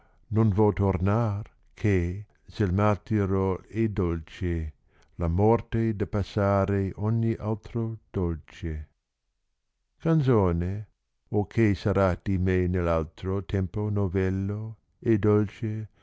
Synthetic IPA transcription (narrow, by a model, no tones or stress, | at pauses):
nonvɔt̪ornar | kʰe | selmat̪iɾoed̪olt͡ʃe | lamɔrt̪ed̪apasːaːɾeʔɔɲːiʔalt̪ɾod̪̥olt͡ʃe | kant̪soːne | okʰesaɾad̪̥imenelːalt̪ɾot̪ʰɛmponovɛlːo | ed̪ɔlt͡ʃe